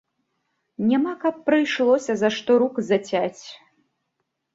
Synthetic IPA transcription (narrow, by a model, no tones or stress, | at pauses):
nʲamakɐpːɾɨjʂlˠɔsʲɐzaʂt̪ɔɾukzɐt͡sʲat͡sʲ